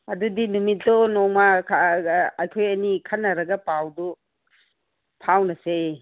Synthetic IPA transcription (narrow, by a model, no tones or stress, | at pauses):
ɐdudinumit̚dɔnɔŋmakʰː | jkʰojɐnikʰanːɐɾɐɡɐpawdu | pʰawnɐse